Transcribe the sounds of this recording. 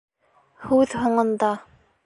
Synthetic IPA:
hʉðhŏɴɤ̆nd̪ɑ

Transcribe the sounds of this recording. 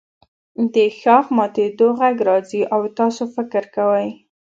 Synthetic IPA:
d̪əxɑxmɑt̪ed̪oɣaɡɾɑziʔawt̪ɑsofɪkɾkawaj

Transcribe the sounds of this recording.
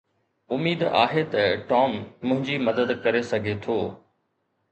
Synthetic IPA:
ʊmiːd̪a̰ːɦet̪ɐʈɔːmːʊ̃ɦɪ̃ɲd͡ʑimɐd̪əd̪kɐɾesɐɡʱet̪ʰoː

